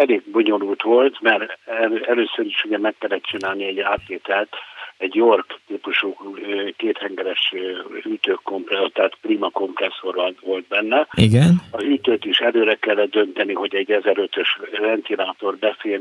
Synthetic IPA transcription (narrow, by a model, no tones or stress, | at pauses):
ɛleːɡ̚bo̞ɲo̞luːlt̪ʋo̞lt̪mɛrɛɛløːsøɾiʃuɟɛmɛkːɛlːɛt̪t͡ʃinaːlniɛɟːaːt̪leːt̪ɛlt̪ɛɟjorkt̪iːpuʃuːkeːt̪hɛŋɡɛɾɛʃhyːt̪øːkːo̞mprɛt̪ːɛat̪pliːmɒko̞mprɛsːo̞rɒnʋo̞lt̪̚bɛnːɛiɡɛnɒɦyːt̪øːt̪iʃɛløːɾɛkɛlːɛd̪̚d̪ø̞nt̪ɛniɦo̞ɟɛɟːɛzɛɾøt̪øʃrɛnt̪inaːt̪o̞rbɛfeːl